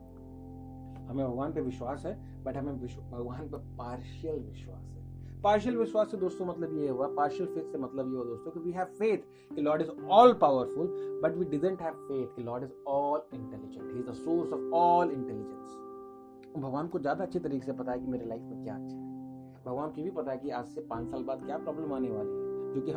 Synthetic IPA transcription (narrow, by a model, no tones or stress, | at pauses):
hɐmẽbʱɐɡaːnpeʋɪʃwaːsɦɛ | bɐʈɦɐmẽʋɪʃbʱɐɡʋaːnpepaːɾʃəlʋɪʃwa̰ːsɦɛ | paːɾʃəlʋɪʃwaːsːed̪oːst̪õmɐt̪ləbjeɦuapaːɾʃəlfeːt̪ʰsemɐt̪ləbjeɦoad̪oːst̪õkiʋiːɦɛʋfeːt̪ʰ | kilɔːɖɪzɔːlpaːʊəɾfʊlbɐʈʋiɖɪɖə̃ɳʈɦɛʋfeːt̪̚ʰkilɔːɖɪzɔːlɪ̃ɳʈɛlɪd͡ʒə̰̃ɳʈɦiːzd̪əsoːɾsɔʋɔːlɪ̃ɳʈɛlɪd͡ʒə̃ns | bʱɐɡʋaːnkozjaːd̪aɐtːʃʰet̪ɐɾiːkesepɐt̪aekimeːɾelaɪfmẽkja̰ːɐtːʃʰaɦɛ | bʱɐɡʋaːnkjibʱipɐt̪aɛkiaːd͡ʒsepãːt͡ʃsaːlbaːd̪kjapɾɔːblə̃maːneʋaːliɦɛd͡ʒoːkiɦɐ̃